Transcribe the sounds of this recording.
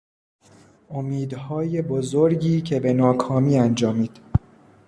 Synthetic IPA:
ʔomiːd̪hɒːje̞bozoɾɟiːcʰe̞be̞nɒːkʰɒːmiːænd͡ʒɒːmiːd̪̥

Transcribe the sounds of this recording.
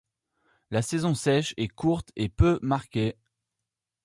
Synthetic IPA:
lasɛzɔ̃sɛʃɛkuʁt̪epømaʁkʲe

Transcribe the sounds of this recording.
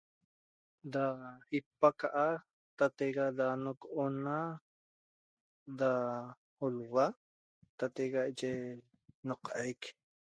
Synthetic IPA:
daipːakaʔa | t̪at̪eɣadanokʔona | da | olwa | t̪at̪eɣaʔt͡ʃe | noqʔajk

